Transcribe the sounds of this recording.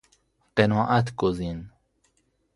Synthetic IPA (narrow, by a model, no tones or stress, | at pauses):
qenɔːʔæt̪ʰɡozin